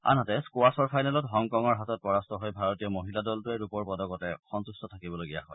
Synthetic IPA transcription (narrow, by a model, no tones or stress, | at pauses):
a̰nɦatɛskoasɔɹpʰajnalɔtɦɔŋkɔŋɔɹɦatɔt̚pɔɹastɔɦojbʱaɹɔtijɔmoɦiladɔltʊɛɹupɔɹpɔdɔkɔtɛxɔntustɔtʰakibɔloɡija̰ɦɔ̰j